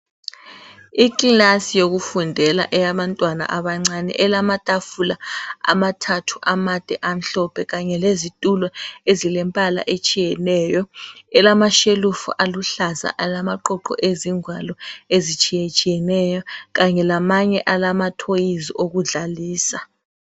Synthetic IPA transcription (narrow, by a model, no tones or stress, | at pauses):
ikʼilasijoɣufundʱɛla̰ʔɛjaβantʼwana̰ʔaβaŋ͡ǀanɛ̰ʔɛlamatʼafulaa̰matʰatʰu̥ʔamad̥ʱɛʔam̩ɬɔpʰɛɣaɲɛlezitʼulɔezilɛmpʼala̰ʔet͡ʃʼijɛnɛjɔɛlamaʃelufṵʔaluɬaza̰ʔalamaǃɔǃɔ̰ʔeziŋwalɔezit͡ʃʼijɛt͡ʃʼijɛnɛjɔɣaɲɛlamaɲɛʔalamatʰojiziʔoɣuɮaliːsa